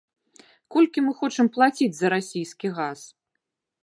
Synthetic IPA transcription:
kɔlʲkʲimɨxɔt͡ʂɨmplˠat͡sʲid͡zʲzɐɾasʲijskʲiɣas

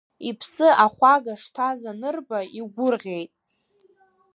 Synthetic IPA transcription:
ipʰsɨʔaχʷaɡaʂtʰazanɨrbaiɡʷʊrʁʲe̞jtʼ

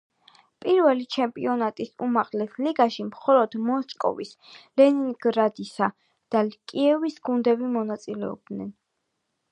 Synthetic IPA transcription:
pʼiɾvɛlit͡ʃʰɛmpʼḭɔnat̪ʼisumaʁlɛsliɡaʃimχɔlɔd̪̥mɔskʼɔ̰vislɛniŋɡɾad̪isa | d̪̥akʼiɛvisɡ̥und̪ɛbimɔnat̪sʼilɛɔ̰b̚d̪nɛn

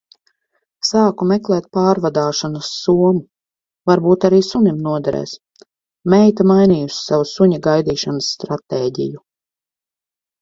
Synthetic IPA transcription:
saːkumɛklˠɛːt̪̚paːɾvad̪aːʃanɐsːuɔmu | vaɾbuːt̪aɾiːsunimnuɔd̪aɾɛ̰ːs | mɛjt̪amajniːjusi̥savusuɲaɡajd̪iːʃanasːt̪ɾat̪eːɟḭju

